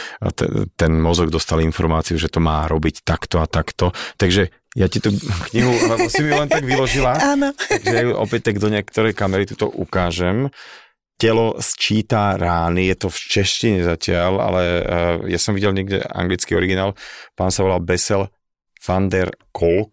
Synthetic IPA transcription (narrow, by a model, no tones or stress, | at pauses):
t̪ɛ̰t̪ɛnmɔzɔɡd̪ɔst̪alinfɔɾmaːt͡siuʒɛt̪ɔmaːɾɔbict̪akt̪ɔat̪akt̪ɔt̪aɡʒɛ | jacit̪ukɲiɦusimiulɛnt̪aɡʋilɔʒilaaːnɔt̪aɡʒɛjajuʔɔ̰pɛc̚t̪aɡd̪ɔɲɪɛkt̪ɔɾɛjkamɛɾit̪u̥t̪ɔ̰ʔukaːʒɛm | cɛlɔst͡ʃiːt̪aɾaːnijɛt̪ɔft͡ʃɛʃciɲɛzacɪala̰lɛjasɔmʋiɟɛlɲɛɡɟɛ̰a̰ŋɡlit͡skiɔɾiɡinaːlpaːnsaʋɔlalbɛsɛl | fand̪ɛɾkɔlk